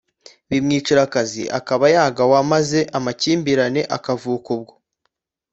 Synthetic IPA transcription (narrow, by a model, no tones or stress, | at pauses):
βimŋiːt͡ʃiɾakazḭʔa̰kaβajaːɡawamaze̞ʔamaciːmbiɾane̞ʔakavuːkubɡo̥